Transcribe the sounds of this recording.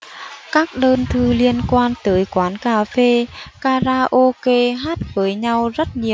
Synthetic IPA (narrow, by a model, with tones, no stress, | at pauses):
kaː˦˥k̚ɗəː˧nt̪ʰɨ˧li˧ənkwaː˧nt̪əː˨˦jkwaː˨˦nkaː˧˩fe˧kaː˧zaː˧ʔo˧ke˧ɦaː˦˥t̚vəː˨˦jɲa˧wzə˦˥t̚ɲi˨˩ə